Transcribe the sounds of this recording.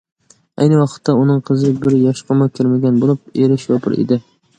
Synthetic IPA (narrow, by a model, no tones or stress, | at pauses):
a̰jnɪwɒqʰɨ̥t̪ːaʊnɪŋqʰɨzɪbɪɾjɒʃqɨmakʲʰɪɾmaɡʲanbolˠɪp̚eɾɪʃjɒpʰɪɾḛd̪ɪ